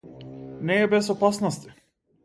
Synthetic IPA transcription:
nɛːbɛsɔpasnɔst̪i̥

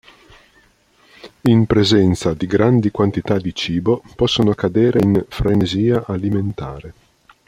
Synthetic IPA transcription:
impɾezɛnt̪sad̪iɡɾand̪ikwant̪it̪ad̪it͡ʃiːbopɔsːonoakːad̪eːɾʔeinfɾeneziːaʔaliment̪a̰ːɾe

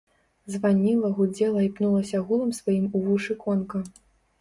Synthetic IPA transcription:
zvanʲilˠɐɣud͡zʲɛlˠɐipnulˠɐsʲɐɣulˠɐmsvajimuvuʂɨkɔnkɐ

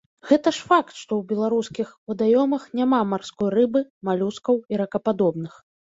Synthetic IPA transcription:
ɣɛt̪ɐʂfakt̪ʂt̪ɔwbʲɛlˠaɾuskʲixvɨd̪ajɔmɐxnʲamamarskɔjrɨbɨmalʲuskɐwiɾɐkɐpad̪ɔbnɨx

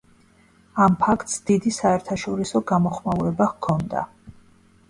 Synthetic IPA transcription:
ampʰakʰt̪sd̪̥id̪isaɛɾt̪ʰaʃɔɾisɔɡamɔχmauɾɛbakʰɔnd̪a̰

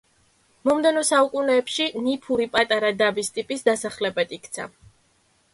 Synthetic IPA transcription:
mɔmd̪ɛnɔsaukʼunɛːpʃinipʰuɾipʼat̪ʼaɾad̪abist̪ʼipʼisd̪asaχlɛbad̪ikʰt̪sʰa̰

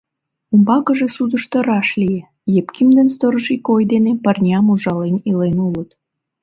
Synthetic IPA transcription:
umbɑkəʒesud̪əʃt̪ə̆ɾɑʃlije | jepkimd̪ənst̪oɾəʃikojd̪enepərnʲɑmuʒɑlenilenulət̪

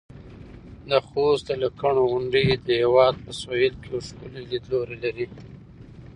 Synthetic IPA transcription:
d̪əxost̪̚d̪əlakaɳoɣʊɳɖid̪əhewɑd̪̚pəswajilkeawʃkulilid̪loɾelaɾi

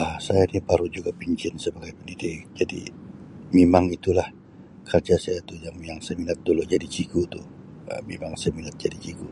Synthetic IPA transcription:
ʔəsajainipaɾud͡ʒuɡapiɲt͡ʃɪnsəbaɡajpəndidɪʔd͡ʒadḭmemaŋit̪ulah | kʰərd͡ʒasajait̪ujaŋijaŋsajaminat̪̚duluʔd͡ʒadit͡ʃikut̪uh | ə̰memaŋsajaminat̪̚d͡ʒadit͡ʃiku

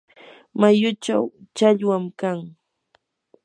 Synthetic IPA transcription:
majʊt͡ʃa̰wt͡ʃaʎwamkaŋ

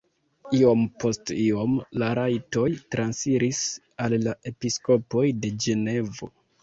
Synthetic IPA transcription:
io̞mpo̞stio̞mlaɾajto̞jtɾansiɾis | alːaʔe̞pisko̞po̞jde̞d͡ʒe̞ne̞vo̞̰

